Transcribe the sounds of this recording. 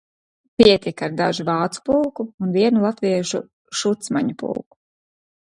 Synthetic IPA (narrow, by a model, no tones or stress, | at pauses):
piɛt̪ʲikaɾd̪aʒuvɑːt̪su̥pulˠkuunviɛnulˠat̪viɛʃu | ʃut̪smaɲupṵlˠku̥